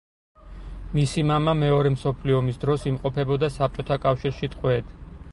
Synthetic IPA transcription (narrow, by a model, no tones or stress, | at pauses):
misimamamɛɔɾɛmsɔpʰliɔmisd̪ɾɔsimqʼɔpʰɛbɔd̪asap̚t͡ʃʼɔt̪ʰakʼafʃiɾʃit̪ʼqʼwɛd̪